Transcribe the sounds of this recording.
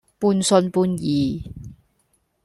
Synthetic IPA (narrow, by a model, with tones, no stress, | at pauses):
puː˧nsɵ˧npuː˧njiː˨˩